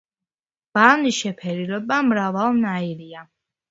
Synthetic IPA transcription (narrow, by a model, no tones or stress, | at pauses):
b̥aniʃɛpʰɛɾilɔbamɾavalˠnaiɾia